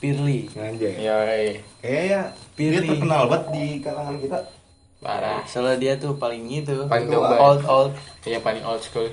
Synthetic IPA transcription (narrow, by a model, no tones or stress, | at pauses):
pirliŋad͡ʒajakajajapilitliərkənalbət̪̚dikaɾaŋankit̪a | ba̰ɾa̰sələdiat̪upalɪŋɡit̪̬upalŋoaɔlt̪ɔlt̪̚japanɪŋʔɔlt̪̚skul